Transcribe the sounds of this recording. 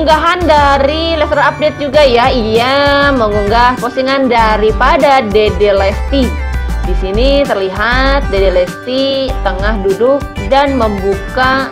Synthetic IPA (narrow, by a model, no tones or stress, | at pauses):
ŋɡaɦandaɾilɛst̪ɾaap̚det̪̚d͡ʒuɡajaijaməŋuŋɡahposiŋandaɾipadadedelɛst̪idisinit̪ərliɦat̪̚dedelɛst̪it̪əŋahdudʊk̚danməmbuka